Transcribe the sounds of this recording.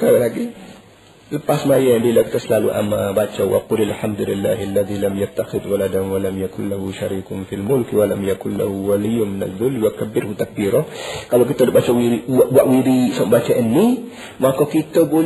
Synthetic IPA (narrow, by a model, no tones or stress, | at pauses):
kablaɡi | lɨbːasmajɛɨnd̪ilɐkt̪ʰɐslalw̰ʔamabat͡ʃːɛwwɐ̰qulilħamd̪ulɪlːa̰ːhalːɐðilɐmjɐt̪ːaxɪd̪wɐlad̪ɐnwɐlɐmjɐkʰʊnlɐhuʃaɾiːkʊmfilmʊlkwɐlɐmjɐkʰʊnlɐ̰huwalijːʊmɪnɐ̰ðʊlːwɐkʰɐbːɪɾhut̪ʰɐk̚biɾokʼabɐkʼːit̪ʰːəd̪əbat͡ʃːɛwwaʔwiɾisombat͡ʃːɛwʔɨnːi | makokit̪ːɐbo